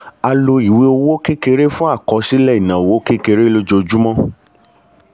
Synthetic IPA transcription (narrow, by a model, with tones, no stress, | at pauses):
a˧lo˧i˨wi˨˦o˧wo˦ke˦ke˧ɾe˦fũ˦a˦˨kɔ˨˦si˦lɛ˦˨i˨nã˨o˨wo˦ke˦ke˧ɾe˦lo˦d͡ʒo˧d͡ʒu˦mɔ̃˦